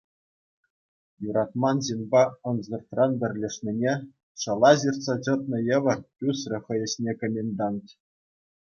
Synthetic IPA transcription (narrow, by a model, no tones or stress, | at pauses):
juɾɑt̪mɑnʑinʲbɑɤ̆nzɤ̆rt̪rɑnbʲɘ̆rʲlʲĕʂnʲinʲe | ʂɤ̆lˠɑʑirt̪sɑt͡ɕɤ̆t̪̚nɤ̆jɤ̆ʋʲɤ̆rpʲusrʲɘ̆χɤ̆jɘ̆ɕnʲekɘ̆mʲenʲd̪ɑntʲ